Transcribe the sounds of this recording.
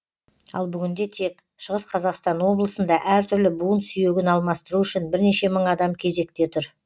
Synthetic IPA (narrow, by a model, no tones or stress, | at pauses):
ɑ̰lˠbʏɡʲɪnd̪e̞t̪ʰe̞k | ʃəʁəsqʰɑzɑqst̪ɑnwo̞blˠəsənd̪ɑʔæɾt̪ʰʏɾlɪbuənsʏje̞ɡʲɪnɑlˠmɑst̪əɾuʏʃɪnbɪɾne̞ʃe̞məɴɑd̪ɑmkʲʰe̞ze̞k̚t̪e̞t̪ʰʊɾ